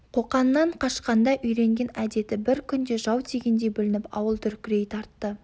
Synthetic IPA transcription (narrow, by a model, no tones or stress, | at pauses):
qʰo̞qɑnːɑɴqʰɑʃqɑnd̪ɑʔʏjɾe̞ŋɡʲe̞næd̪e̞t̪ɪbɪɾkʲʰʏnd̪e̞ʒɑwt̪ʰeɡʲend̪e̞jbʏlɪnɪpɑ̰wəlˠt̪ʰʏɾkʲɪɾe̞jt̪ʰɑɾt̪ːə